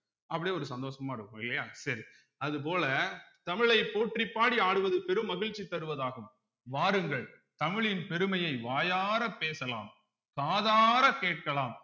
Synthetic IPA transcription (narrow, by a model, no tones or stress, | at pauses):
ʔɐpːɐɽɪjɔɾɯsɐnd̪oːsɐmaːɪɾɯkːɯmɪlːɐjaːsɐɾi | ɐðɯp̬oːlɐt̪ɐmɪɭɐɪpoːʈripːaːɽiaːɽɯʋɐðɯpɛɾɯmːɐɣɪɻt͡ʃːit̪ɐɾɯʋɐðaːɣɯm | ʋaːɾɯŋɡɐɭ | t̪ɐmɪɭɪnpɛɾɯmɐjɐɪʋaːjaːɾɐpːeːsɐla̰ːm | kaːðaːɾɐkeːʈ̚kɐlaːm